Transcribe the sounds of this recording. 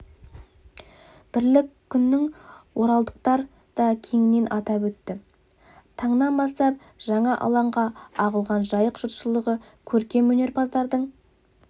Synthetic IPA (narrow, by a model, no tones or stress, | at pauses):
b̥ɪɾlɪkʲʰːʏnːɪŋwo̞ɾɑlˠd̪əq̚t̪ɑɾ | d̪̥ɑkʲʰe̞ŋɪne̞nʔɑt̪ɑpwɵt̪ːɪ | t̪ʰɑɴnɑnbɑst̪ɑp̚ | ʒ̥ɑɴɑʔɑ̰lˠɑɴʁɑɑʁəlˠʁɑnʒɑjəqʒ̥ʊt̪ʃəlˠəʁə | kʲʰɵɾkʲe̞mwɵne̞ɾpʰɑzd̪ɑɾd̪əɴ